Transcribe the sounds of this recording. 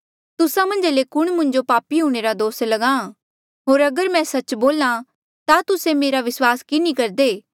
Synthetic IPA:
t̪ʊsãmɐ̃nd͡ʒlekʊɽ̃mʊ̃ɲd͡ʒopaːpiɦũːɽ̃eːɾad̪oːslɐɡãː | ɦoːɾɐɡəɾmɛ̃sɐt͡ʃboːlã | t̪at̪ʊsemeːɾaʋɪswaːskɪnikɐɾd̪eː

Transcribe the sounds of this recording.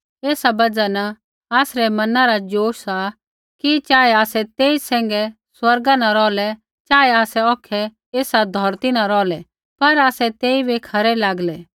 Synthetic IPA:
eːsabɐd͡ʒana | aːsɾɛmɐnaɾad͡ʒoːʃa | kit͡ʃaːɛaːsɛt̪eːisɛ̃ːŋ̆ɡɛ | swɐɾɡanɐɾɔːlɛ | t͡ʃaːɛaːsɛɔːkʰɛ | eːsad̪ʱɔɾt̪inaɾɔːlɛ | pɐɾaːsɛt̪eːibʱikʰɐɾɛlaːɡlɛː

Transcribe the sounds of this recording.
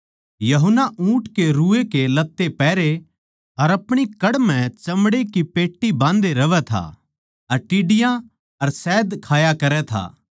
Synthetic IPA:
jɐɦʊnaʔũːʈkeɾuːekelɐt̪ːepɛːɾe | ɐɾɐpɽ̃ikɐɽm̤ɛ̃t͡ʃɐmɽekipeːʈːibãːnd̪eɾɐʋɛt̪ʰa̰ | ɐɾʈɪɖɪjã | ɐɾsɛːd̪kʰaːjakɐɾɛt̪ʰa̰ː

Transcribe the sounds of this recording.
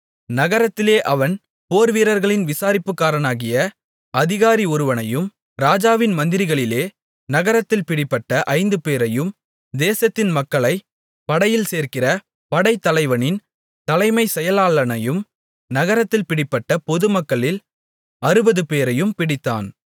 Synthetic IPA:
nɐɣɐɾɐt̪ːɪleːʔɐʋɐn | poːɾʋiːɾɐɾɣɐɭɪnʋɪsaːɾɪpːɯkːaːɾɐnaːɣɪjɐ | ɐðɪɣaːɾiɔɾɯʋɐnɐjɯm | ɾaːd͡ʒaːʋɪnmɐnd̪ɪɾɪɣɐɭɪleː | nɐɣɐɾɐt̪ːɪlpɪɽɪpːɐʈːɐʔɐɪnd̪ɯpeːɾɐjɯm | d̪eːsɐt̪ːɪnmɐkːɐɭɐɪ | pɐɽɐjɪlseːɾkɪrɐ | pɐɽɐɪt̪ːɐlɐɪʋɐnɪn | t̪ɐlɐɪmɐɪsɛjɐlaːɭɐnɐjɯm | nɐɣɐɾɐt̪ːɪlpɪɽɪpːɐʈːɐpɔðɯmɐkːɐɭɪl | ɐɾɯbɐðɯpeːɾɐjɯmpɪɽɪt̪ːa̰ːn

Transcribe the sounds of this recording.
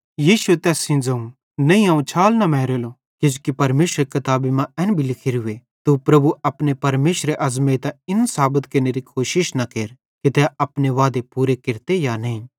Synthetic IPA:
jiːʃuet̪ɛːsĩnd͡zɐũ | nɐĩãːũt͡ʃʰaːlnɐmɛːɾeːlo | ked͡ʒokipɐɾmeːʃɾekɐt̪aːbimãɛːnbʱilɪkʰeɾʊe | t̪upɾɐbuɐpnepɐɾmeːʃɾeʔɐzmet̪aɪnsaːbət̪kɐneɾikʰoːʃɪʃnɐkeːɾ | kit̪ɛɐpneʋaːd̪epuːɾekɪɾt̪ejanɐĩ

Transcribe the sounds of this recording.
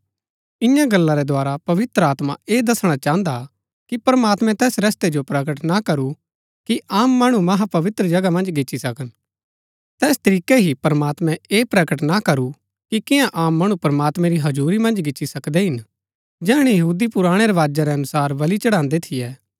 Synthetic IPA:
ɪ̃jãɡɐlːãɾɛd̪aːɾapɐʋɪt̪ɾəaːt̪ma̰eːd̪ɐsɽ̃at͡ʃãːə̃nd̪a | kipɐɾmaːt̪mɛ̃t̪ɛːsɾɐst̪ed͡ʒopɾɐkəʈnakɐɾu | kiʔaːmːɐɽ̃umɐɦapɐʋɪt̪ɾəd͡ʒɐɡamɐ̃nd͡ʒɡɪt͡ʃːt͡ʃːʃisɐkən | t̪ɛːst̪ɐɾiːkeɦipɐɾmaːt̪mɛ̃eːpɾɐkəʈnakɐɾu | kikɪ̃jãʔaːmːɐɽ̃ũpɐɾmaːt̪mɛ̃ɾiɦɐd͡ʒuːɾimɐ̃nd͡ʒɡɪːt͡ʃʃisɐkd̪eɦɪn | d͡ʒɛːɽ̃ijɐɦuːd̪ipʊɾaːɽ̃eɾɛʋaːd͡ʒaɾɛɐnʊsaːɾʋɐlit͡ʃɐɽãːnd̪et̪ʰijɛː

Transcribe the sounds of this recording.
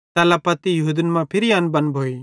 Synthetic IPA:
t̪ɛlapɐt̪ijɐɦud̪ənmãpʰɪɾianbɐnbʱoːi

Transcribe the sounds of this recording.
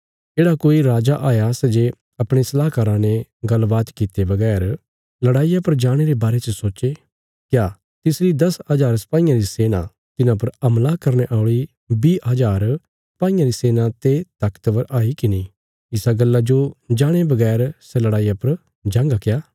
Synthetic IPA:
d͡ʒeːɽakoːiɾaːd͡ʒaʔaːjasɛd͡ʒe | ɐpɽ̃esɐlaːɦkaːɾãneɡɐlbaːt̪kit̪ebɐɡɛːɾ | lɐɽaːijapɐɾd͡ʒaːɽ̃eɾebaːɾet͡ʃəsoːe | kjaː | t̪ɪsɾid̪ɐsɐd͡ʒaːɾsɐ̥paːĩjãɾiseːnã̰ | t̪ɪnãpɐɾɐmlakɐɾneʔaːʊɭi | biːɦɐd͡ʒaːɾ | sɐ̥paːĩjãɾiseːnãt̪et̪ɐkt̪ʋɐɾʔaːikinĩ | ɪsaɡɐlːad͡ʒod͡ʒaːɽ̃ebɐɡɛːɾsɛlɐɽaːijapɐɾ | d͡ʒãːŋɡakjaː

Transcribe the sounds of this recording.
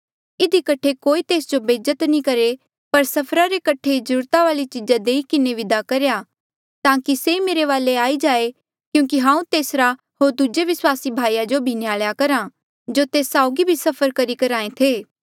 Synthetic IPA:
ɪd̪ʱikɐʈʰekoːit̪eːsd͡ʒobeːd͡ʒət̪nĩkɐɾe | pɐɾsɐpʰɾaɾekɐʈʰeid͡ʒəɾuːɾt̪aʋaːlit͡ʃɪd͡ʒad̪eːikɪneʋɪd̪akɐɾeja | t̪ãːkiseimeːɾeʋaːleaːid͡ʒaːe | kjũːkiɦãːũt̪eːsɾa | ɦoːɾd̪ud͡ʒeʋɪswaːsibʱaːijad͡ʒobʱinjaːɭjakɐɾã | d͡ʒot̪eːsːaːʊɡibʱisɐpʰəɾkɐɾikɐɾaːẽt̪ʰeː

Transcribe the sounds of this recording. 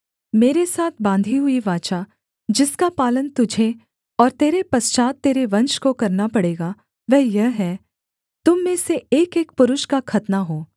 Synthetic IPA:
meːɾesaːt̪ʰbãːnd̪ʱiɦʊiʋaːt͡ʃa | d͡ʒɪskapaːlənt̪ʊd͡ʒʱe | ɔːɾt̪eːɾepɐst͡ʃaːt̪ːeːɾeʋɐ̃nʃkokɐɾnapɐɽeːɡa | ʋɛɦjɐɦɦɛː | t̪ʊmːẽseeːkeːk̚pʊɾʊʃkakʰɐt̪naɦoː

